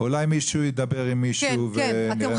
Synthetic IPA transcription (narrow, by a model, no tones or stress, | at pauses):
ulajmiʃujid̪ɐbe̞ʁimːiʃuveniʁe